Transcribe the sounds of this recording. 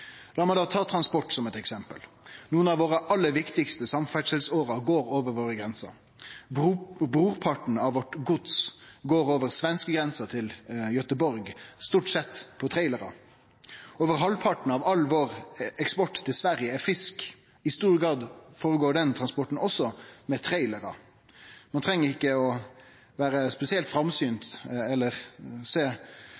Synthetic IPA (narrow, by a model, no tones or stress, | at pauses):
lɑːɾmæɪd̪ɑːt̪ʰɑːt̪ʰɾɑnspɔʈsɔmɛt̪ɛksɛmpə̰l | nuːənɑʋoːɾəʔɑlːəʋɪkt̪ɪkst̪əsɑmfæʂɛlsoːɾɑɡoːɾoːʋəɾʋoːɾəɡɾɛnsə̰ | bɾuːʁpʰɑʈn̩ɑʋʋɔʈɡʊd̪sɡoːɾoːʋəɾsʋɛnskəɡɾɛnsət̪ʰɪljœt̪əbɔɾɡst̪uːʈsɛt̪ːpʰɔt̪ʰɾæɪləɾɑ̰ | oːʋəɾɦɑlpʰɑʈɳ̩ɑʋɑlʋoːʁɛkspɔʈːt̪ʰːɪlsʋæɾjəɛfɪsk | ɪst̪uːɾɡɾɑːd̪foːɾəɡoːɾɖ̪ɛnt̪ʰʁɑnspɔʈɳ̩ɔsːɔmɛt̪ʰɾæɪləɾɑ̰ | mɑnt̪ʰɾɛŋːəɾɪkːəɔ | ʋæːɾəspɛsɪɛlt̪fɾɑmsyːnt̪ɛlːəʁseː